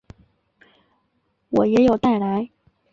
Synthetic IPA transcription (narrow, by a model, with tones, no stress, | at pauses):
wɔ˨˩jɛ˧˥jo˨˩ʊt̪a˥˩ɪla˧˥ɪ